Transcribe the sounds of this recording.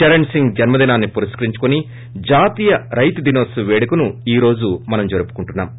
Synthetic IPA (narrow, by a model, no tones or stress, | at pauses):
t͡ʃɐɾɐɳsiŋɡd͡ʒɐnmɐd̪inaːnːipuɾɐskɐɾiɲt͡ʃu̥koni | d͡ʒaːt̪iːjɐɾɐjt̪ud̪ino̞ːsuʋeːɽukunuiːɾo̞ːd͡ʒumɐnɐmd͡ʒoɾupu̥kuɳʈunːa̰ːm